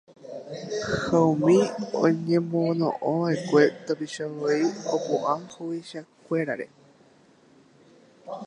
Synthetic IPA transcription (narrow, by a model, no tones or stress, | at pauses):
haumĩõ̰ɲẽ̞monõ̰ʔõʋaekʷe̞t̪opiʃaoiopoʔãhowiʃakʷeɾa̰ɾe̞̰